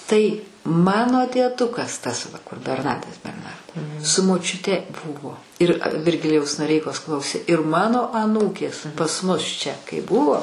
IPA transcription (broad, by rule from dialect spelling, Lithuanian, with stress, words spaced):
ˈtɐɪ ˈmɑːnoː dʲiɛˈdʊkɐs tɐs ʋɐ kʊr bʲɛrˈnɑːdɐs bʲɛrˈnɐrdoː sʊ moːt͡ʃʲʊˈtʲɛ ˈbʊʋoː ˈɪr ʋʲɪrʲˈɡʲɪlʲɪjɛʊs noːˈrʲɛɪkoːs ˈklˠɐʊsʲeː ɪr ˈmɑːnoː ɐˈnuːkʲeːs pɐs ˈmʊs t͡ʃʲɛ kɐɪ ˈbʊʋoː